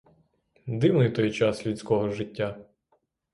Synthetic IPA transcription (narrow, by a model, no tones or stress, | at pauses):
d̪ɪwnɪjt̪ɔjt͡ʃɑslʲusʲkɔɦɔʒɪtʲːa